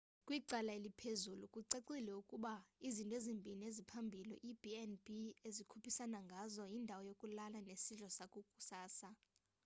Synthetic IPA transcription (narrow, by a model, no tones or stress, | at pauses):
kʼwiǃalaelipʰezulukʼuǀeǀilɛukʼuɓaizintʼwezimbʱiniezipʰambʱilɛʔib̥ʱiɛnbʱiezikʰupʰisanaŋɡʱazɔjindʱawɔjokʼulalanesiɮɔsakʼukʼu̥saːsa